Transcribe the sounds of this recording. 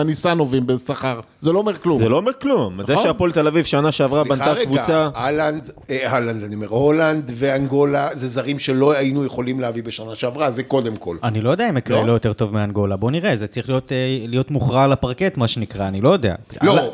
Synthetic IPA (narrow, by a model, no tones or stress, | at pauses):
anisano̞vimbesaχaʁ | zelo̞omeʁklumzelo̞omeʁklumːaddajaʃeapolt̪elavivʃanaʃeavʁabanakvut͡saaland̪ | haland̪aniomeʁholand̪veaŋɡo̞lazezaʁimʃelo̞ajinujeχo̞limleavibeʃanaʃeavʁazeko̞d̪emkʰo̞̰lanilo̞jo̞d̪eaimekʁelojo̞t̪e̞ʁt̪o̞vmeanɡo̞labo̞niʁezet͡saʁiχlijo̞tlijo̞t̪muχʁalapaʁke̞t̪maʃenikʁaːnilo̞jo̞d̪e̞a̰lo